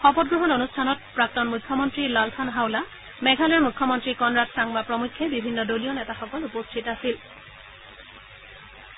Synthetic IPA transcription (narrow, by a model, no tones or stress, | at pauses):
xɔpɔt̚ɡɹɔɦɔnonustʰanɔt̚pɹak̚tɔnmukʰːɔmɔntɹilalpʰanɦawla | mɛɡʱalɔɹmukʰːɔmɔntɹikɔnɹatsaŋbapɹɔmukʰːɛbibʱinːɔdolionɛtaxɔkɔlupɔstʰitasil